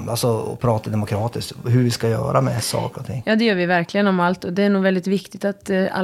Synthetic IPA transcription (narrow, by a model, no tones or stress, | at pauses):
d̪asɔɔ̰pʰɾɑːt̪ad̪ɛmʊkʰɾɑːt̪ɪst̪ɦɵɾvɪskajœ̰ːɾʔamɛsɑ̰ːkəɾɔt̪ʰɪ̰ŋːjɑːd̪ɛjœːɾʋɪvæɾklɪɡənɔmalt̪ɔd̪ɛæɳuːɡvɛld̪ɪt̪vɪkt̪ɪɡ̚t̪at̪a̰